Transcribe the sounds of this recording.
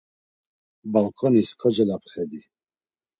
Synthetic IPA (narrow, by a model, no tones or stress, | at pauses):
balkʰɔniskʰɔd͡ʒɛlapχɛd̪i